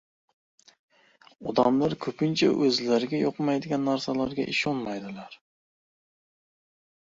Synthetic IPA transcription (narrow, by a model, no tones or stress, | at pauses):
ɒd̪amlaɾkʰɵpʰɪnt͡ʃʰa̰ʔɵzlaɾɪɡʲajɒqmajd̪ɪɡʲanːaɾsalaɾɡʲa̰ʔɪʃɒnmajd̪ɪlaɾ